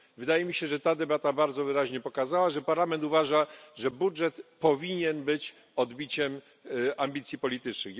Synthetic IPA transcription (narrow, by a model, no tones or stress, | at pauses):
vɘd̪ajɛmʲiɕɛʐɛt̪ad̪ɛbat̪abaɾd̪zɔvɘɾaʑɲɛpɔkazawaʐɛpaɾlamɛnt̪uvaʐaʐɛbudʐɛt̪pɔvʲiɲɛnbɘt͡ɕ | ɔd̪bʲit͡ɕɛm | ʔambʲit̪sʲjipɔlʲit̪ɘt͡ʂnɘx